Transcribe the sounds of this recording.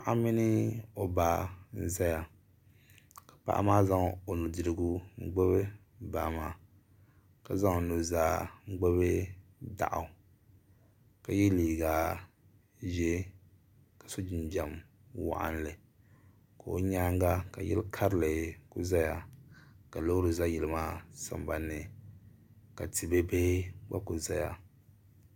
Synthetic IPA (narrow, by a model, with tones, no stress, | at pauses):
a˦˨ʔa˦mi˦nɪ˦o˨ba˦n̩˦za˦ja˨ | kḁ˨pa̰˦ʔa̰˦maː˦za˦ŋ˨o˨nu˨dɨ˨ɾɨ˨ɡu˦ŋ͡m̩˦ɡ͡bɛ˦bɛ˦ | baː˨ma˨ | ka˨za˦ŋo˨no˨zaː˨˦ŋ͡m̩˦ɡ͡bɛ˦be˦da̰˨ʔa̰˨ | ka˨jɛ˦liː˨ɡa˨ | ʒɛ˦ | ka˨so˦d͡ʒɪ˨nd͡ʒa˨m | wa̰˦˨ʔa̰˦n˦lɨ˨ | ka˨o˦ɲaː˦ŋɡa˦ka˨jɛ̰˦lkʰa˦ɾɨ˦lɨ˨kʊ˦za˦ja˨ka˨lo˦hɾɨ˨za˦jɛ˨lɨ˨maː˦sa̰˦mba˨nːɨ˨ | ka̰˨ti˨be˦be˦ɡ͡ba̰˦kʊ˨za˦ja̰˨